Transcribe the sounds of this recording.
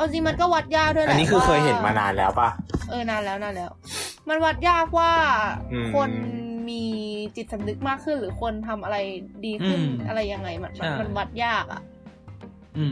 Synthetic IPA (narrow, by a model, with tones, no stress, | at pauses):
ʔa˧wt͡ɕi˧ŋma˧nkɔː˥˩wa˦˥t̪̚jaː˥˩k̚d̪ʰu˥˩˨ʔa˧˨nːiː˦˥kʰɯː˧kʰɤː˧jɦe˨˦nma̰ː˧na̰ː˧nlɛ̰ː˦˥wpa˧˩ʔɤː˧naː˧nlɛː˦˥wnaː˧nlɛː˦˥wma˧nwa˦˥t̪̚jaː˥˩k̚waː˥˩˧kʰo˧nmiː˧t͡ɕi˨˩t̪̚sa˨˩˦mnɯ˦˥k̚maː˥˩kʰːɯ˥˩nɾɯː˩˦kʰo˧nt̪ʰa˧mʔa˧ɾa˧jdiː˧kʰɯ˥˩nʔa˧ɾa˧jːa˧ŋːa˧˩jma˧˩nma˧nma˧nwa˦˥t̪̚jaː˥˩k̚ʔa̰˨˩ʔ